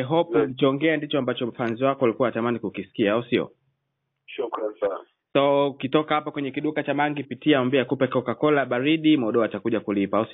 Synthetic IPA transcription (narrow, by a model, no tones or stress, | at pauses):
ɛɦɔpulit͡ʃɔŋɡɛandit͡ʃɔambat͡ʃɔm̩fanziwakɔlikuwaatamanikukisi̥kiaausiɔ̰ | ʃukɾansana | sɔkitɔkahapakwɛɲɛkiɗukat͡ʃamaŋɡipitiaɔmbiakupɛkɔkakɔlaɓaɾiɗimɔɗɔatakuʄakulipaaus